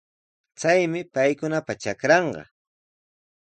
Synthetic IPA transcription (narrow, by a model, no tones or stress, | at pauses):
t͡sajmɪpajkʊnapat͡ʃakɾɑɴɢɑ̰